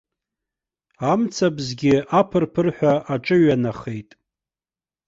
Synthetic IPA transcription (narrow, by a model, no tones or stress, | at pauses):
amt͡sʰabzɡʲɪʔapʰɨrpʰɨrħʷᶣaaʈ͡ʂʼɨɥanaχe̞jtʼ